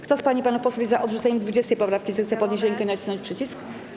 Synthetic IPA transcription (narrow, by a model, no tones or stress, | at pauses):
kt̪ɔspaɲipanufpɔswubʲizaʔɔd̪ʐut̪sɛɲɛmd̪vud͡ʑɛst̪ɛjpɔpɾafkʲizɛxt̪sɛpɔd̪ɲeɕ̬ɾɛŋkɛnat͡ɕisɔɲt͡ɕʲpʂɘt͡ɕisk